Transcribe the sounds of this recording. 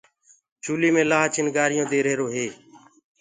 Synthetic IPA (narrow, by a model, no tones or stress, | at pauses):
t͡ʃuːliːmẽːlaːt͡ʃɪnɡaːɾɪjõːd̪eːɾeːɾoːɦeː